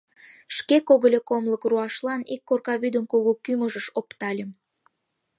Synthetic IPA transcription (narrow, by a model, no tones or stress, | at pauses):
ʃkekoɣəlʲekomləkruɑʃlɑnikːorkɑβyd̪əmkuɣokyməʒəʃopt̪ɑlʲəm